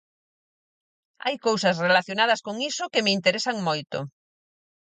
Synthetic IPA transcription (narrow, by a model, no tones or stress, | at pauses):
a̰jkowsɐsrelaθjonað̞ɐskoŋisʊkemɪint̪eɾesaŋmojt̪o̰